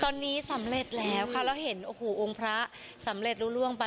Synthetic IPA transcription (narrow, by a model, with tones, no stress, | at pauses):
t̪ɔː˧nːiː˦˥sa˨˩˦mɾe˨˩t̪̚lɛː˦˥wkʰa˧˥˩wlaː˧˥˩wɦe˩˦nʔoː˧˩hoː˨˩ʔo˧ŋpʰɾa˦˥ʔ | sa˩˦mɾe˨˩t̪̚ɾuː˦˥ɾu˥˩əŋpa˧